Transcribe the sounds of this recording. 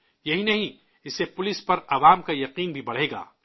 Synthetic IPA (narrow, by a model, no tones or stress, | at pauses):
jɐɦinɐɦĩ | ɪsepʊlɪspɐɾɐʋaːmkajɐqiːnbʱibɐɽ̤eːɡa̰ː